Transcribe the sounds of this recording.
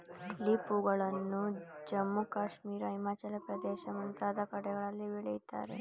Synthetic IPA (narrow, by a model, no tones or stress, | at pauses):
lipuɡɐɭɐnːud͡ʒɐmːukaːʂmiːɾɐɦimaːt͡ʃalɐpɾɐd̪eːʃɐmɐnt̪aːd̪ɐkɐɽɛɡɐɭɐlːiʋeɭijt̪a̰ːɾḛ